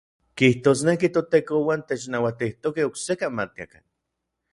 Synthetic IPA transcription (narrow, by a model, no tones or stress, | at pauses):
kiht̪oːsnekit̪ot̪eːkowant̪et͡ʃnawat̪iht̪okehoksekanmat̪̚ia̰ka̰n